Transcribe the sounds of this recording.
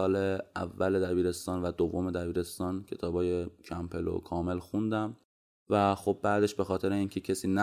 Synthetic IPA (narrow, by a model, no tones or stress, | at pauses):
ɒːleævːæled̪æbiːɾe̞st̪ɒːnvæd̪ovːo̞me̞d̪æbiːɾe̞st̪ɒːncʰe̞̰t̪ʰɒːbɒːje̞cʰæmpʰe̞lo̰kʰɒːme̞lxund̪æm | væxob̚bæd̪e̞ʃbe̞xɒːt̪ʰe̞ɾeiːncʰe̞cʰesiːnæ